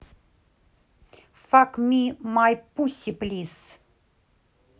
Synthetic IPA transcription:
fakmʲimajpusʲiplʲis

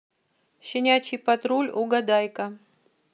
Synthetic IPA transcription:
ɕɪnʲat͡ɕipɐt̪ɾulʲuɡɐd̪ajkɐ

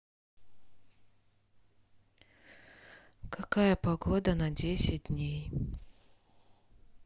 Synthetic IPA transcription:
kʰɐkajəpɐɡod̪ənɐdʲesʲɪt̚ʲdʲnʲej

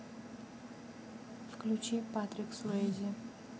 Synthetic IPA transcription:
fklʲut͡ɕipat̪ɾʲɪksʊezʲɪ

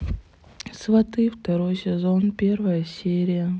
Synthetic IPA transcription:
svɐt̪ɨft̪ɐɾojsʲɪzonpʲervəjəsʲeɾʲɪjə

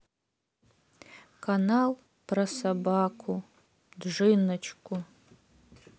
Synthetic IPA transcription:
kʰanal | pʰrɐsabakʷʰu | dʐɨnɐt͡ʃʰkʷʰʼʊ

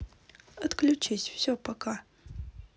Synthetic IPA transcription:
ɐt̪klʲʉt͡ɕisʲfsʲopɐkʰa

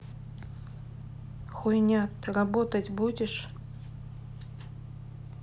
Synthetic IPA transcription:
xujnʲat̪rabot̪ɐtʲbudʲɪʂ

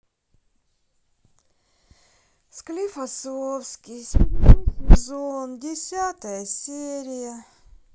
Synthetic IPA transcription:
sklʲɪfɐsofskʲɪjsʲnozondʲɪsʲat̪əjəsʲeɾʲɪjə

